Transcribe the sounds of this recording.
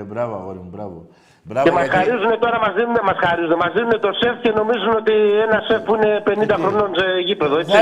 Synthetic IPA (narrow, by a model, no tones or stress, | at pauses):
emɐsxɐɾizune̞t̪o̞ɾɐmɐzðinune̞mɐsxɐɾizunemɐzðinune̞t̪o̞sefce̞no̞mizuno̞t̪ienɐsefpuine̞pe̞nind̪ɐxɾo̞no̞nse̞ʝipe̞ðo̞et͡si